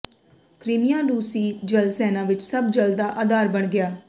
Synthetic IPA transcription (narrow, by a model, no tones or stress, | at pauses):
kɾɪmijãːluːsiːd͡ʒəlsɛːnãːʋɪt͡ʃsəbd͡ʒəld̪aːʔaːd̪aːɾbəɳɡɪjaː